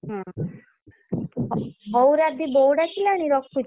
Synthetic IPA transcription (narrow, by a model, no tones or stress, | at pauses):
ɦã | ɦɔwɾad̪ibɔwɽat͡ʃʰilaɽ̃iɾɔkʰːu